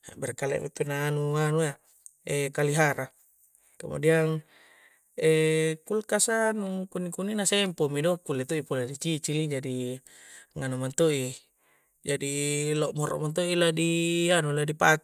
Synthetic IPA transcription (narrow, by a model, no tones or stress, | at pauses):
bɛrkalɛ̰ʔmepenaːnuanua | ekaliɦaɾa | ka̰mṵdiaŋ | ɛkulkasanukunːikuninasempomidokulːet̪oipoladit͡ʃit͡ʃilid͡ʒadi | ŋanumant̪oi | d͡ʒadiloʔmɔɾɔ̰ʔmant̪̬oiladianuladipa